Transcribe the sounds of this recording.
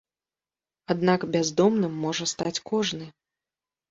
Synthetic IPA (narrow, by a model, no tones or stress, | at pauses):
ad̪nakbʲazd̪ɔmnɨmːɔʐɐst̪at͡sʲkɔʐnɨ